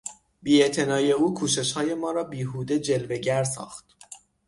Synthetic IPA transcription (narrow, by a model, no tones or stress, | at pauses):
biːe̞ʔt̪ʰe̞nɒːje̞uːkʰuːʃe̞ʃhɒːje̞mɒːɾɒːbiːɦuːd̪e̞d͡ʒe̞lve̞ɟæɾsɒ̰ːxt̪̚